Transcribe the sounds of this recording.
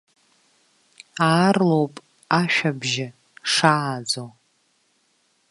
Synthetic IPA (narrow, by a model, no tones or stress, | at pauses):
aːrlowpʼ | aʃᶣabʒɪ | ʂaːd͡zow